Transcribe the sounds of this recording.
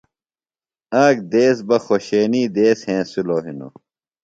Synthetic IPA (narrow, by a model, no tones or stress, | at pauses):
ɐːkd̪eːs̬bɐxoɕeːniːd̪eːshẽːsuloːɦino̰